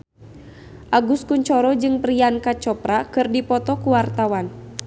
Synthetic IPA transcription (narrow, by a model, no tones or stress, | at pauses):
ʔaɡuskuɲt͡ʃɔɾɔd͡ʒɨŋpɾiankat͡ʃɔpɾakɨrdipɔt̪ɔkuwart̪awan